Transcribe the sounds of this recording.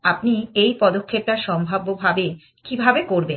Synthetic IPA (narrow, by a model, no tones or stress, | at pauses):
apniejpɔd̪okʰːep̚ʈaʃɔmbʱabːobʱabe | kibʱabekoɾben